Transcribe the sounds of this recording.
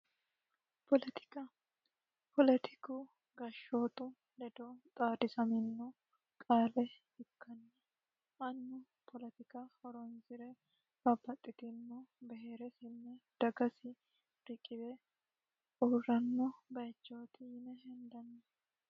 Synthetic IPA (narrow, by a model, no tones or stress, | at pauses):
pɔlɛt̪ɪ̥kɐ | pɔlɛt̪ʰɪ̥kuː | ɡɐʃːoːt̪ʊ | lɛd̪ot̪ʼaːd̪ɪsɐmɪnːu | kʼaːlɛ | ɪkːɐnːɛ | ʔɐnːʊ | pʰɔlɛt̪ɪkahɔɾɔnzɪɾɛ | bɐbːɐt̪ʼːɪt̪ɪmːɔbɛɦeːɾɛsɪnːɛd̪̥ɐɡɐsɪ | ɾɪkʼːɪbɛ | ʔuːrɐnːɔbɐjt͡ʃːoːt̪ɪnɛɦɛnd̪ɐnːɛ